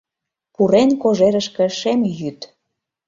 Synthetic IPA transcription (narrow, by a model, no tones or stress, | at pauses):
puɾenkoʒeɾəʃkĕʃemjyt̪